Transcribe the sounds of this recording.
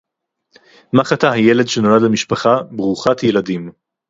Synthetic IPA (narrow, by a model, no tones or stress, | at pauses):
maχataɦajele̞dʃeno̞ladlamiʃpaχabʁuχatjeladim